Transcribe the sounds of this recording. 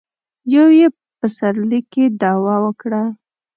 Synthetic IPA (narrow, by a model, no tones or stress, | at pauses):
jawje | pəsaɾlikːed̪ɑwɑwəkɽa